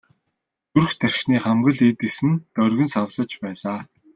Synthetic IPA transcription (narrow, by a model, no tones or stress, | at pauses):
t̪urxt̪ʰærʲʃniːχamɡɘ̆ɮiːt̪ɘ̆ksɘ̆nt̪œrʲɣɵ̆nsawɮə̆t͡ɕpæːɮaː